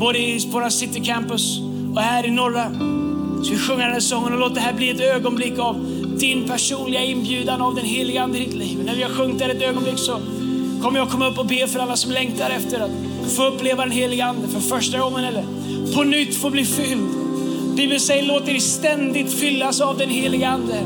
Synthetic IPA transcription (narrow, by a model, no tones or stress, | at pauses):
boːd̪əɪsboːɾasɪt̪ːɪkʰɛmpɵs | ɔhæːɾɪnɔɾːa | sɔvɪɧɵŋːad̪ɛnæːsɔŋːənɔloːt̪əd̪ɛɦæːɾbliːɛt̪øːɡɔnblɪkːav | d̪ɪnpʰæʂuːnlɪɡaɪnbjʉ̟ːd̪anavd̪ɛnɦeːlɪɡəand̪ɪɾɪt̪liːvɔnæɾvɪhaɾɧɵŋːt̪æɾɛt̪øːɡɔnblɪkːsɔ | kʰɔmːəɾjaːɡkʰɔmːaɵpːɔbeːfœɾalːasɔmlɛŋt̪aɾɛft̪əɾat̪ | foːɵpːleːvad̪ɛnɦeːlɪɡəand̪əfœɾfœʂʈaɡɔŋːənɛlːəɾ | pʰɔnʏt̪ːfoːbliːfʏld̪ | biːbənsɛjːəɭoːt̪ːəɾɛst̪ɛnd̪ɪt̪fʏlːasavd̪ɛnɦeːlɪɡəand̪ə